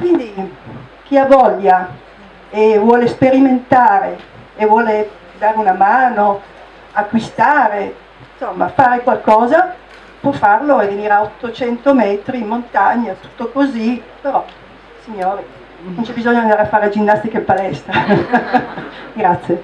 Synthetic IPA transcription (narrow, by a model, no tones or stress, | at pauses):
kwind̪ik̟iavɔʎːa | evwɔːlespeɾiment̪aːɾeː | vwɔːle | d̪aːɾeunamaːno | akːwist̪aːɾe | nsomːa̰faːɾekwalkɔːza | pwɔfːarloeveniːɾaot̪ːot͡ʃɛnt̪omɛːt̪ɾiːmːont̪aɲːat̪u̥t̪ːokozipeɾɔ | siɲːoːɾi | ont͡ʃɛbizoɲːoand̪aːɾeafːaːɾead͡ʒinːast̪ikelpalɛst̪ɾa | ɡɾat̪sːje